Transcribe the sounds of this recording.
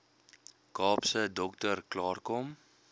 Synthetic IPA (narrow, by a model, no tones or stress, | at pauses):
kɑːpsədɔktərklɑːrkɔm